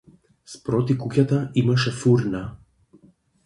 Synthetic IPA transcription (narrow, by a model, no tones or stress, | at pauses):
spɾɔt̪ikucʲat̪aimaʃɛfuɾna